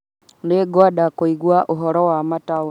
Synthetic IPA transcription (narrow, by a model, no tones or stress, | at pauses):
neɡwaɗakoiɡwaʔuɦɔɾɔwamata